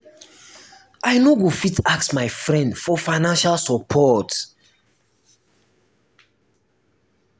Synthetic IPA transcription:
ajnoɡufitaksmajfɹɛ̃ndfɔfaɪnãnʃalsɔpʰɔt

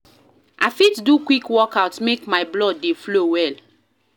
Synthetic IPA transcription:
ʔafitdukwikwɔkaʊtmekmaɪblɔddeflowɛl

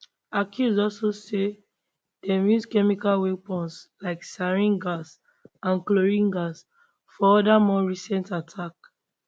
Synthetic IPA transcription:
akʰjuzdɔlsose | d̥ɛmjuzkɛmikalwepɔ̃nslaɪksaɹĩŋɡas | ãnkloɹĩŋɡas | fɔɔdamɔɹisɛ̃ntatʰak

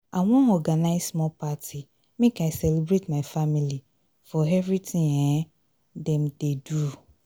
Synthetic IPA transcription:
ʔawɔ̃nɔɡanaɪsmɔpʰatʰi | mẽkaɪsɛlibɾetmãɪfamili | fɔɛvɹɾitʰɪ̃ŋɛ̃ | dɛ̃mdedu

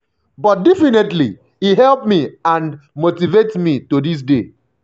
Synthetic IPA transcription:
bɔt̚dɛfinetlḭ | iɦɛlpmiãnmotivetmitodis̬de

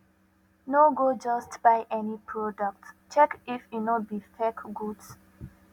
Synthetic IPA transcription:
noɡod͡ʒʌstb̥aɪʔɛnipʰɹɔdək̚tt͡ʃɛkifinɔt̚bifɛkɡuds

